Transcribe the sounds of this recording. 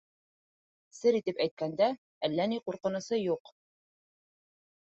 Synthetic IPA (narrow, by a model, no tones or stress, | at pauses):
sɘɾit̪ɘpæjt̪̚kænd̪æ | ælːæniquɾqɤ̆nɤ̆sɤjuq